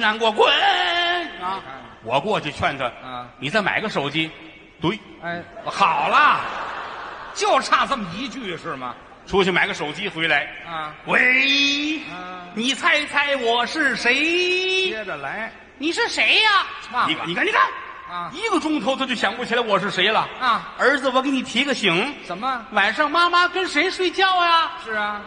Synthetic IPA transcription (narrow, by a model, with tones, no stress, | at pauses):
na˧˥nkwɔ˥˧˩k̬wə˥˧˩ | wɔ˨˩k̬wɔ˥˧t͡ɕjo˥˧ʊt͡ɕʰwɛ˥˩nʈ͡ʂə˨˧ni˨˩t͡sa˥˩ɪma̰˨˩ɪ˧˥ɡə˧ʂo˨˩ʊt͡ɕi˥ | t̪we˥˩˧ | xɑ˨˩ʊlɐ˦ | t͡ɕjo˥˧ʊʈ͡ʂʰa˥˧t͡sə˥˩mə˩i˧˥t͡ɕy˥˩əʂɻ̩˥˩mɐ̰˩ | ʈ͡ʂʰu˧˥lə˧t͡ɕʰma˨˧ɪ˥ɡʂo˨˩ʊt͡ɕi˥xwe˧˥ɪla˧˥ɪ˧we˧˥ | ni˨˩t͡sʰa˥˧ɪt͡sʰa˥˩ɪwɔ˨˩ʂɻ̩˥˩ʂe˧˥ɪ˧ | ə˨la˧˥ɪ | ni˨˩ʂɻ̩˥˩ʂe˧˥ɪɐ˧˥˧ | ni˧kni˨ka˥˩ni˩ka˥˩n˧ | i˧˥ɡə˧ʈ͡ʂʊ˥ŋt̪ʰo˧˥ʊa˥˧t͡ɕjo˥˩ɕjɑ˨˩ŋkwɔ˥˩t͡ɕʰla˧˥ɪwɔ˨˩ʂ̬ɻ̩˥˩ʂe˧˥ɪlə˨˧˩ | ə˞˧˥d͡zɹ̩˧wɔ˨˩ke˧˥ɪni˨˩t̪ʰi˧˥ɡə˧ɕi˧˥ŋʂə˧˥nmə˦wa˨˩nʂɑ˥˧ŋma˥ma˧kə˥nʂe˧˥ɪʂwe˥˧ɪt͡ɕjɑ˥˧ʊa˧ʂɻ̩˥˩ɐ˩